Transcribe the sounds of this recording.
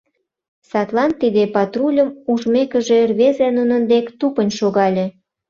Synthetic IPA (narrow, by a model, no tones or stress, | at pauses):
sɑt̪lɑnt̪id̪epɑt̪rulʲə̆muʒmekə̆ʒerβezenunə̆nd̪ekt̪upənʲʃoɣɑlʲe